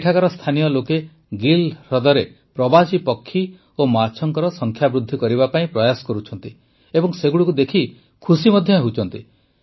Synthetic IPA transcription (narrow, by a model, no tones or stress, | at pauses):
ʈʰakɔɾɔst̪ʰanijɔloke | ɡilɾɔd̪ɔɾe | pɾɔbat͡ʃipɔkʰːi | omaɾt͡ʃʰɔŋkɔɾɔsɔŋkʰjabɾud̪ʱːikɔɾiβapaĩpɾɔjasɔ̥kɔɾut͡ʃʰɔnt̪i | ebɔŋseɡuɽukud̪ekʰi | kʰusimɔd̪ʱjɔɦeut͡ʃʰɔnt̪i